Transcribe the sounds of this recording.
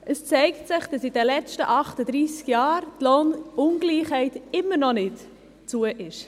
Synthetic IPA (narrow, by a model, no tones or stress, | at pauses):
əst͡sɛɪktsɪχd̥ɑsidɛlɛt͡stəʔɑχtəd̪ɾiːskjɑːɾtloːnʊnɡliːχhɛɪtɪmːəɾnɔnɪt | t͡suəʔɪʃ